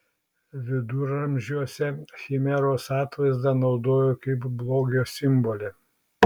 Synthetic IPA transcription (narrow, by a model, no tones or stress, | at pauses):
ʋʲɪd̪uːɾɐmʲʒʲuɔsʲɛxʲimʲɛɾoːsɑːt̪ʋɐɪzd̪ɐnɒʊd̪oːjoːkɐɪpblˠoːɡʲoːsʲɪmbɔlʲeː